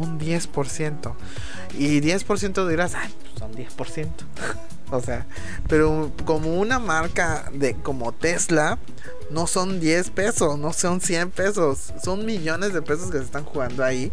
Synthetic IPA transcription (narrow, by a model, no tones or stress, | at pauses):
und̪je̞spo̞ɾsje̞nt̪o̞ | iðje̞spo̞ɾs̬je̞nt̪oðiɾasajpu̥sːond̪je̞spo̞ɾsje̞nt̪o̥ | ose̞a | pe̞ɾo | ko̞mo̞unamaɾka | ðeko̞mo̞t̪e̞zla | no̞so̞nd̪je̞spe̞so̞sno̞so̞nsje̞mpe̞so̞sːo̞nmiʝo̞ne̞zðepe̞s̬o̞skesest̪anxuɣand̪oai